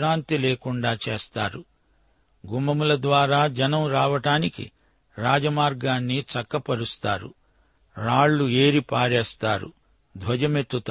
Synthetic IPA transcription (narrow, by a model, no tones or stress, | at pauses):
ɾaːnt̪ileːkuɳɖaːt͡ʃeːst̪aːɾu | ɡumɐmulɐd̪ʋaːɾaːd͡ʒɐnɐmɾaːʋɐʈaːnikḭ | ɾaːd͡ʒɐmaːɾɡaːnːit͡ʃɐkːɐpɐɽust̪aːɾṵ | ɾaːɭːueːɾipaːɾɛːst̪aːɾṵ | d̪ʱʋɐd͡ʒɐme̞t̪ːut̪